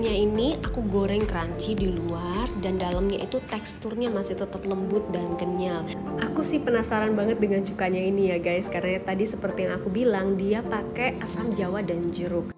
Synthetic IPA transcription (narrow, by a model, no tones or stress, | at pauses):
ɲainiakuɡoɾɛŋkəɾaɲt͡ʃidiluardandalamɲait̪ut̪ɛkst̪ʊrɲamasiht̪ət̪əp̚ləmbʊt̪̚dankəɲalʔakusɪhpənasaɾanbaŋət̪̚dəŋant͡ʃukaɲainijaɡajskaɾaŋɲat̪adisəpərt̪ijaŋakubilaŋdiapakɛʔasamd͡ʒawadand͡ʒəɾʊk̚